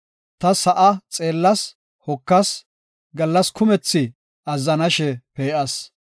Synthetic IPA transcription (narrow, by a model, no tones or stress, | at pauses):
t̪ɐsɐʔɐt͡sʼe̞ːlːɐs | hɔkːɐs | ɡɐlːɐskʊmɛt͡sːɪ | ɐzːɐnɐʃɛpeːʔɐs